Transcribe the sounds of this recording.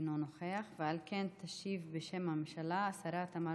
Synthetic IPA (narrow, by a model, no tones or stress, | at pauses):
nonoχeaχvealkent̪ʰaʃivbeʃemhammʃalaːsaɾat̪ama